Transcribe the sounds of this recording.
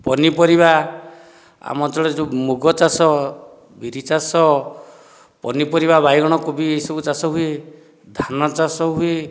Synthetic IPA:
pɔnipɔɾiba | a̰mɔt̪ɔɭɔd͡ʒumuɡɔt͡ʃasɔ | biɾit͡ʃasɔ | pɔnipɔɾiβabajɡɔɽ̃ɔkobiesɔkut͡ʃasɔɦui | d̪ʱanɔt͡ʃasɔɦui

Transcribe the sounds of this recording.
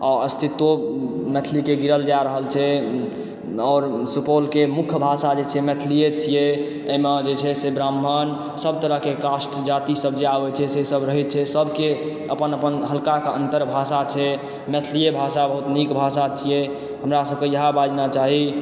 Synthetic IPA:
ɔɾəst̪ʰit̪ːomɛt̪ʰlikeɡiɾəld͡ʒaɾəɦəlt͡ʃʰɛ | ɔːɾsupolkemukʰjbʱasad͡ʒet͡ʃʰɛmɛt̪ʰlijet͡ʃʰije | əmed͡ʒet͡ʃʰɛsebɾamːən | səb̚ʱt̪əɾəɦkekasʈd͡ʒat̪isəb̚d͡ʒeabɛt͡ʃʰɛsesəbɾəɦɛt̪̚t͡ʃʰɛsəbʱke | əpənəpənɦəlkakeə̰nt̪əɾbʱasat͡ʃʰɛ | mɛt̪ʰlijebʱasabəɦut̪nikbʱasat͡ʃʰije | ɦəmɾasəb̚kejəɦãbad͡ʒnat͡ʃaɦi

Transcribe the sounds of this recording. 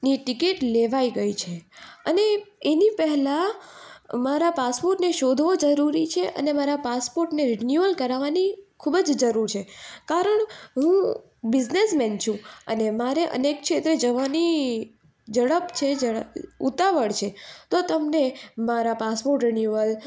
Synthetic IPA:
niʈɪkiʈleʋaiɡəit͡ʃʰeəneːnipəɦɛla | maɾapaspoɾʈneʃod̪ʱʋod͡ʒəɾuɾit͡ʃʰeʔə̰nemaɾapaspoɾʈneɾinjuəlkəɾaʋanikʰubəd͡ʒd͡ʒəɾuɾt͡ʃʰekaɾəɳɦũ | bɪd͡ʒnesmɛnt͡ʃʰũə̰nemaɾeʔə̰nekʃet̪ɾəd͡ʒəʋani | d͡ʒəɽəpt͡ʃʰed͡ʒəəut̪aʋəɭt͡ʃʰet̪ot̪əmnemaɾapaspoɾʈɾinjuʋəl

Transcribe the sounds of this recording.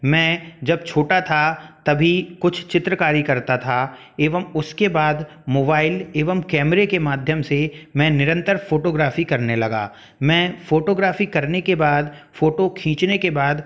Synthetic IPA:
mɛ̃ːd͡ʒɐb̚t͡ʃʰoːʈat̪ʰat̪ɐbʱikʊt͡ʃʰt͡ʃɪt̪ɾəkaːɾikɐɾt̪at̪ʰa | eːʋəmʊskebaːd̪ | moːbaːɪleːʋəmkɛːmɾekemaːd̪ʱjəmsemɛ̃ːnɪɾə̃nt̪əɾfoːʈoːɡɾaːfikɐɾnelɐɡa̰ː | mɛ̃ːfoːʈoːɡɾaːfikɐɾnekebaːd̪foːʈokʰĩːt͡ʃnekebaːd̪

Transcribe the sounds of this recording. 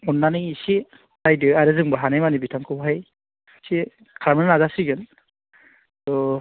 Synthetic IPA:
unːanɯjisi | dajdɯaɾɯzɯŋbaɦanejmanibitʰaŋkʰɯwɦaj | si | kʰaɾmɯnnazasiɡɯn | tɔ

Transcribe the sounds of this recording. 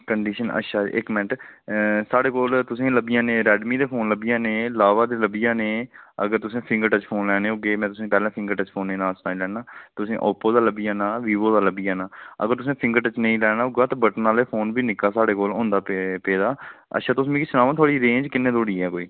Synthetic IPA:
kəɳɖiːʃənə̰ʃaːɪ̰kmɛ̃ɳʈ | saːɽeːkoːlt̪ʊsẽːləbɪjãːnẽːɾɛːɖmiːd̪eːpʰoːnləbɪjãːnẽːlaːʋaːd̪eːləbɪjãːneːə̰ɡəɾt̪ʊsẽːpʰɪ̃ŋɡəɾʈət͡ʃpʰoːnlɛːɽ̃eːɦoɡeːmɛ̃ːt̪̬ʊs̬ẽːpɛːlãːpʰɪ̃ŋɡəɾʈət͡ʃpʰoːnːẽːnaːsnaːlɛːnaːt̪ʊsẽːʔɔːpːoːd̪aːləbɪjãːnaːʋiːʋoːd̪aːləbɪjaːnaːə̰ɡəɾt̪ʊs̬ẽːpʰɪ̃ŋɡəʈət͡ʃnə̃ĩːlɛːɽ̃aːɦoɡaːt̪ãːbəʈnaːleːpʰoːnbiːnɪkaːsaːɽeːkoːlɦõːnd̪aːpeːd̪aːə̰ʃaːt̪ʊs̬mẽːkisʊnaːʋãːt̪ʰaːɽiːɾẽːd͡ʒkɪnːẽːd̪oːɽiːɛːkoːiː

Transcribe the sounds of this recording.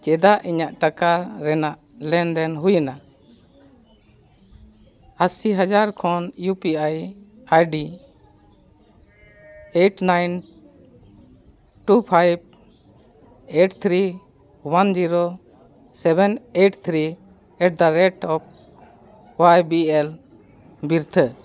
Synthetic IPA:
t͡ʃɛd̪aʔiɲaʔʈakaɾɛnaʔlɛnd̪ɛnɦujana | asiɦad͡ʒaɾkʰɔnjupiaj | ajɖi | eʈnajn | ʈupʰajb̚ | eʈt̪ʰɾi | wand͡ʒiɾo | sɛbɛneʈt̪ʰɾi | ɛʈ̚d̪aɾɛʈɔp̚ | wajbiɛl | biɾt̪ʰə

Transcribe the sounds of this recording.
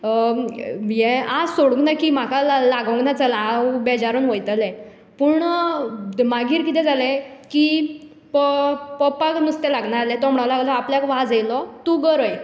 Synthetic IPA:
jɛ̃asoɽuɡnakim̤akalaɡɔ̃ŋɡnat͡salabɛd͡ʑaɾuːnɦojt̪lɛ̃ | puɳ | maɡiːɾkit̪ɛ̃d͡zalɛ̃ki | ppɔpaknust̪ɛlaɡɳaɾalɛ̃t̪ɔm̤ɽalaɡlɔapljakʋad͡zelɔt̪uɡəɾoj

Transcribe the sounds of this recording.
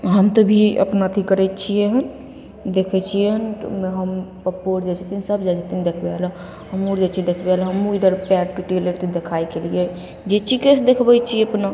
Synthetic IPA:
ɦəmt̪obʱiə̰pnat̪ʰikəɾɛt͡ʃʰijeɦən | d̪ekʰɛt͡ʃʰijeɦnmeɦəmpəpːoɾd͡ʒad͡ʒt̪insəbd͡ʒad͡ʒət̪ind̪ekʰbelã | ɦəmuɾd͡ʒat͡ʃʰid̪ekʰbelaɦəmuid̪əɾpɛʈʈiʈeleɾt̪ed̪ekʰajkelije | d͡ʒet͡ʃikesd̪ekʰbɛt͡ʃʰieəpna

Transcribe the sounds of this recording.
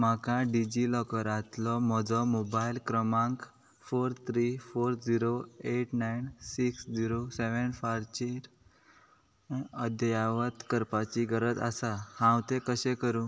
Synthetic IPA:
m̤akãɖid͡ʑilɔkəɾat̪lɔmɔd͡zɔmobailkɾəmãŋk | foɾt̪ʰɾifoɾd͡ziɾoeʈnajnsiksd͡ziɾoseʋənfaɾt͡ɕiɾ | əd̪jaʋət̪kəɾpat͡ɕiɡəɾəd͡za̰sahãwt̪ẽkəɕẽkəɾũ

